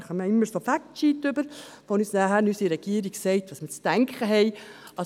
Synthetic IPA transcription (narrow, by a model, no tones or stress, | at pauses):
χəməɪmːəsofæktt͡ʃiːtʏbəɾ | fonyːsnɑhæɾnysiɾɛɡ̥iːəɾiɡsɛɪtʋɑːsmət͡stæŋkχəɦɛɪɑ